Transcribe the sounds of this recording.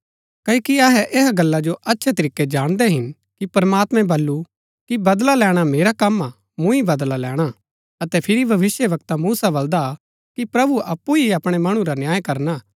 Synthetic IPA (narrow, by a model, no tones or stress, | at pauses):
kɐikiɐɦɛʔeɦaɡɐlːad͡ʒoʔɐtːʃʰɛt̪ɐɾiːkːed͡ʒaːɽ̃d̪ɛɦɪn | kipɐɾmaːt̪mɛ̃bɐlːu | kibɐd̪lalɛːɽ̃ameːɾakɐmːa | mũibɐd̪lalɛːɽ̃a | ɐt̪ɛpʰɪɾibʱɐʋɪsjəʋɐkt̪amuːsabɐld̪a | kipɾɐbuʔɐpːuiɐpɽ̃emɐɽ̃ũɾanjaːjkɐɾnaː